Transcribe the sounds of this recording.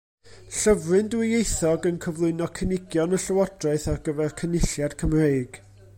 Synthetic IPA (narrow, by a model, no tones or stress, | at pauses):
ɬəvrɨndwɪejθɔɡənkʰəvlˠʊɨnɔkʰənɪɡjɔnəɬəwɔdraɨθarɡəvɛrkʰənɪɬjad̥kʰəmreɨɡ̥